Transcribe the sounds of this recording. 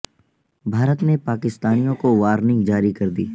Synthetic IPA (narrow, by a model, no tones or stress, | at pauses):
bʱaːɾət̪nẽpaːkɪst̪aːnijõkoʋaːɾnɪ̃ŋɡd͡ʒaːɾikɐɾd̪ḭː